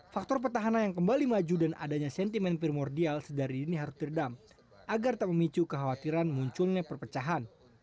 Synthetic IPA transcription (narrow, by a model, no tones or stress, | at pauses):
fak̚t̪ɔrp̬ərt̪aɦananjaŋkəmbalimad͡ʒudana̰daɲasɛnt̪imɛnpɾimɔrdialsədaɾidiniɦaɾʊsd̪ərdam | ʔaɡart̪aməmit͡ʃukəɦawat̪iɾanmuɲt͡ʃʊlɲapərpət͡ʃaɦan